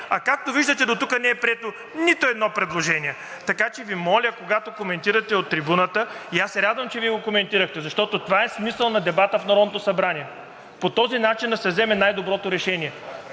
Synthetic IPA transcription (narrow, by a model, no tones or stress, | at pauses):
ɐkak̚t̪oviʒd̪ət̪ɛd̪ot̪ukənɛɛpɾiɛt̪o | nit̪oɛd̪nɔpɾɛd̪lˠoʒɛniɛ | t̪ɐkat͡ʃɛvimɔlʲəkoɡat̪okomɛnt̪iɾɐt̪ɛot̪ːɾibunət̪əiasːɛɾad̪vɐmt͡ʃɛviɛɡokomɛnt̪iɾəxt̪ɛzɐʃt̪ɔt̪ot̪ovaɛsmisəlˠnɐd̪ɛbat̪əfnɐɾɔd̪not̪osɐbɾaniɛ | pot̪ɔzinat͡ʃind̪ɐsɛvzɛmɛnajd̪obɾɔt̪oɾɛʃɛniɛ